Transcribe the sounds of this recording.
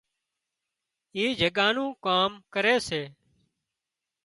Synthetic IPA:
iːd͡ʒʱəɠaːnũːkaːmkəɾeːseː

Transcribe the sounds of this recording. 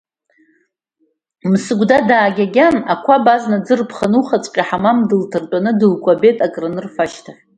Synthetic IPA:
msɨɡʷdadaːɡʲaɡʲanakʷʰabaznad͡zɨrpʰχanuχat͡sʷʼqʲʼaħamamdɨltʰɨrt͡pʷʼanɨdɨlkʷʼabe̞tʼakʼrɨnɨrfaʃtʰaχʲ

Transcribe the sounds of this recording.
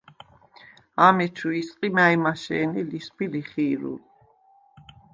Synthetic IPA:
amɛt͡ʃʰuisʼqʼimajmaʃɛ̰ːnilisbiliχiːɾṵ

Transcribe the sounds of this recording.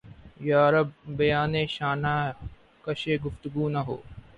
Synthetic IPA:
jaːɾəb̚ːɐjaːneːʃaːnaː | kɐʃeːɡʊft̪ʊɡuːnɐɦo̰ː

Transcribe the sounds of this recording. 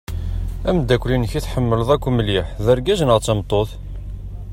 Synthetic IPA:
æmd̪ːækʷlinəçiθħəmːələðˤækʷːməliħðəɾɡæznəʁt͡sːəmt̪ˤːoθ

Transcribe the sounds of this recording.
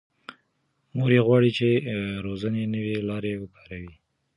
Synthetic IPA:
moɾeɣwɑɽit͡ʃeɾozanenəwelɑɾewəkɑ̥ɾawi

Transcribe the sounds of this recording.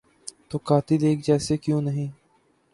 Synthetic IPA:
t̪oːkaːt̪iːd̪eːk̚ʰd͡ʒɛːsekjũːnəɦĩː

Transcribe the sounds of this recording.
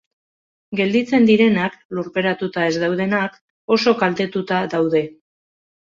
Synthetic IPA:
ɡe̞ld̪it͡se̞nd̪iɾe̞nakluɾpe̞ɾat̪ut̪ae̞zd̪awð̞e̞nak | o̞so̞kalt̪e̞t̪ut̪aðawðe̞

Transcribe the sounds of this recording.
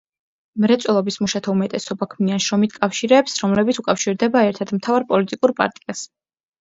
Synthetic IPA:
mɾɛt̪sʼwɛlˠɔbismuʃat̪ʰaumɛt̪ʼɛsɔbakʰmianʃɾɔmit̪ʰkʼafʃiɾɛːpsɾɔmlɛbit̪sʰukʼafʃiɾd̪ɛbaɛɾt̪ʰad̪mt̪ʰavaɾpʼɔlit̪ʼikʼuɾpʼa̰ɾt̪ʼias

